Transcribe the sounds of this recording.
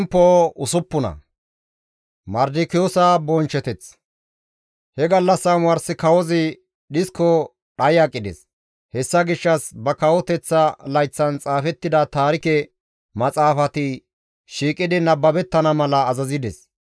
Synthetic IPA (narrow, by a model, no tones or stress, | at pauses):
ɛmpːoʊsʊpːʊnɐ̰ | mɐɾd̪ɪkɪjoːsabɔnt͡ʃːɛt̪ɛt͡s | hɛɡɐlːɐsːɐmwɐɾsɪkɐwɔzɪ | ɗɪskɔ | ɗɐjɐkʼːɪd̪ɛs | hɛsːɐɡɪʃːɐsbɐkɐwɔt̪ɛt͡sːɐlɐjt͡sːɐnt͡sʼaːfɛt̪ːɪd̪ɐt̪aːɾɪkɛ | mɐt͡sʼaːfɐt̪ɪ | ʃiːkʼːɪd̪ɪnɐbːɐbɛt̪ːɐnɐmɐlɐːzɐzɪd̪ɛs